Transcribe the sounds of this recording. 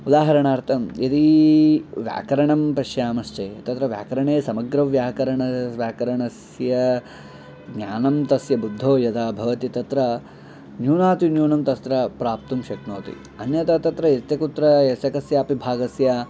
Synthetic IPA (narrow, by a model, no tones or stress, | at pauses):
ud̪aːɦɐɾɐɳaːɾt̪ʰɐmit̪i | ʋja̰ːkɐɾɐɳɐmpɐʃjaːmɐst͡ʃeːt̪ɐt̪ɾɐʋja̰ːkɐɾɐɳeːsɐmɐɡɾɐʋjaːkɐɾɐɳɐʋjaːkɐɾɐɳɐs | jɐ | ɡɲʲaːnɐmt̪ɐsjɐbud̪ʱːoːjɐt̪ʰabʱɐʋɐt̪it̪ɐt̪ɾɐ | njuːnaːt̪injuːɳɐmt̪ɐst̪ɾɐpɾaːp̚t̪umʃɐknoːt̪ḭ | ɐnjɐt̪ɐt̪ɐt̪ɾɐjet̪jɐkut̪ɾɐesjɐkɐsjɐːpibʱaːɡɐsjɐ